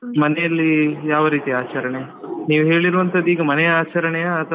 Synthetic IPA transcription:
mɐnɛjɐlːijaːʋɐɾiːt̪iaːt͡ʃɐɾɐɳejɐniːʋuɦe̞ːɭiɾuːʋɐnt̪ʰɐd̪ːiːɡɐmɐnɛjɐaːt͡ʃɐɾɐɳɛjɐːt̪ʰɐ

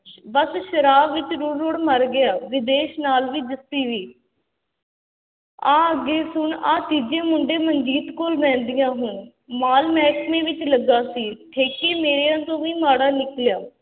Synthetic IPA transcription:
bəsʃəɾaːbʋɪt͡ʃɾoːɾɾoːɽməɾɡɪjaːʋɪd̪eːʃnaːlʋiːd̪ɪsiːʋiː | ãːəɡeːsʊɳãːt̪iːd͡ʒẽːmʊɳɖeːməɲd͡ʒiːt̪koːlbɛ̃ːnd̪ɪjãːɦʊɳ | maːlmɛːkmẽːʋɪt͡ʃləɡːaːsiːʈʰeːkeːmeːɾeːãːt̪õːʋiːmaːɽaːnɪkljaː

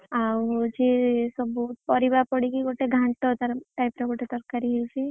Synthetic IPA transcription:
awd͡ʒesɔbɔt̪̚pɔɾibapɔɽikiɡoʈeɡʱaɳʈɔt̪aɾʈajpɾaɡoʈet̪ɔɾkːaɾiɦilsi

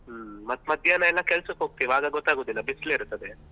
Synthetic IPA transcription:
mɐt̪mɐd̪ʱjanɐɛlːɐkɛlsɐkɦoːɡ̚t̪iiʋaːɡɐɡɔt̪ːaːɡoːd̪ilːɐbisleiɾt̪ːɐd̪e

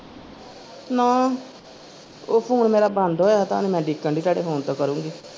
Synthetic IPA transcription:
nãː | oːpʰoːnmeːɾaːbənd̪ɦoːjaːt̪aːnẽmɛ̃ːɖikːəɳɖiːsaːɽeːpʰoːnt̪õːkəɾũːŋɡiː

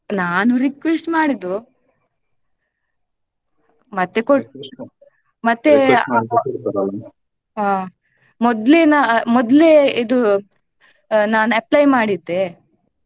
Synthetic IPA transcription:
naːnuɾikʋesʈmaːɽid̪u | mɐt̪ːeko | mɐt̪ːe | aː | mɔd̪lenamɔd̪leid̪u | naːnuɐplɐjmaːɽid̪e

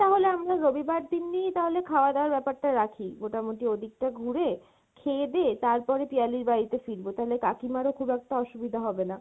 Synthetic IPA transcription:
t̪aɦoleamɾaɾobibaɖ̚d̪inːijt̪aɦolekʰaoad̪eoaɾbɛpaɾʈaɾakʰimoʈamoʈiod̪ʱik̚ʈaɡʱuɾe | kʰed̪et̪aɾpɔɾepialiɾbaɾit̪efiɾbot̪aɦolekakimaɾokʰubɛk̚ʈaɔʃubid̪ʱaɦɔbena

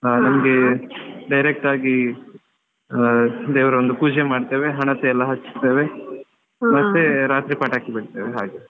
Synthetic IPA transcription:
nɐmɐɡeɖɐjɾek̚ʈaːɡi | d̪eːʋɐɾɐond̪upuːd͡ʒemaːɖt̪eːʋeɦɐɳɐt̪eɛlːɐɦɐt͡ʃːi̥st̪eːʋe | mɐt̪ːeɾaːt̪ɾipaːʈaːkibeɽt̪eːʋeɦaːɡe

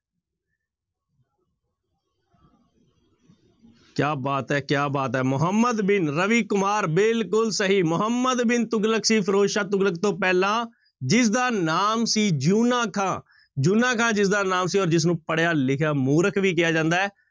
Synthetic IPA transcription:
kjaːbaːt̪ɛːkjaːbaːt̪ɛːmʊɦəmːəd̪bɪnɾəʋiːkʊmaːɾbɪlkʊlsəɦiːmʊɦəmːəd̪bɪnt̪ʊɡləkʰsiːpʰəɾoːʃaːt̪ʊɡlək̚t̪õːpɛːlãː | d͡ʒɪs̬d̪aːnaːmsiːd͡ʒuːnaːkʰãː | d͡ʒuːnãːkʰãːd͡ʒɪsd̪aːnaːmsiːɔːɾd͡ʒɪs̬nũːpəɽejaːlɪkʰjaːmuːɾəkʰʋiːk̬ɪjaːd͡ʒãːnd̪aːɦɛː

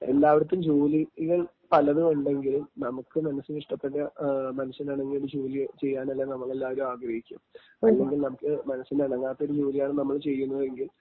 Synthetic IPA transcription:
e̞̰lːaːʋiɽɐt̪ːumd͡ʑoːliɣɐɭ | pɐlɐðɨuɳɖe̞ŋɡilumnɐmukːɨmɐnɐsːuniʂʈɐpːeʈːɐmɐnusɐnɐːɳɐŋːijoɽɨd͡ʑoːlit͡ɕe̞jːaːnɐlːeːnɐmːɐɭe̞lːaːʋɐɾumaːɡɾɐhikʲːum | ɐlːe̞ŋɡilnɐmukːɨmɐnɐsːindeɐɽɐŋːaːt̪ːɐoɾud͡ʑo̞ːlijaːɳɨnɐmːɐɭt͡ɕe̞jːunːɐðe̞ŋɡil

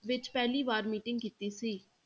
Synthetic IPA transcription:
ʋɪt͡ʃpɛːliːʋaːɾmiːʈɪ̃ŋɡkiːt̪iːsiː

